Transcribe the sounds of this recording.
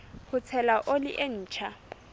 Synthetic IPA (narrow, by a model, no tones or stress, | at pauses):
hʊt͡sʰɛlaʔolɪʔen̩ːt͡ʃʰa